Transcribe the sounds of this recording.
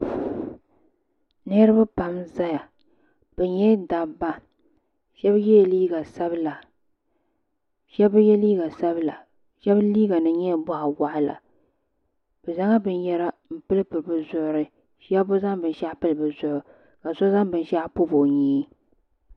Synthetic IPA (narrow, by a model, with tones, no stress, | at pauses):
nɛ˦ɾɨ˦bɨ˦pa˨mza˦ja˨ | b̥ɛ˨ɲɛ˦da˨bːa˦ | ʃɛ˦bjɛ˦jɛ˨liː˦ɡa˨sa˦bɨ˦la˨ | ʃɛ˦bɨ˦jɛ˦liː˦ɡa˨sa˦bɨ˦la̰˨ | ʃɛ˦bliː˦ɡa˨nɨ˨ɲɛ˦˨bɔ˦ʔa˨wa˦ʔɪ˦la̰˨ | b̥ɛ˨za˦ŋa˦bɨ˨njɛ˦ɾa˦m̩˨pɨ˦lɨ˦pɨ˨lbɨ˨zʊ˨ʔʊ˨ɾɨ˦ | ʃa˦bʊ˦za˦ŋbɨ˨n˦ʃa˦pɨ˦lɨ˨bɨ˨zʊ˨ʔʊ˨ | ka˨sɔ˦za˦ŋbɨ˨n˦ʃa˦pʊ˦bo˨ɲiː˦